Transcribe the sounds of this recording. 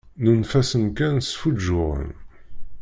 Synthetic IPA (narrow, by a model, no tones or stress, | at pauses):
nənfæsənkænsfud͡ʒːʊʁə̰n